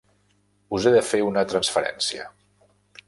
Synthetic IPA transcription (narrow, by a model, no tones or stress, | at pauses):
uzeðəfeunət̪ɾənsfəɾɛ̰nsiə̰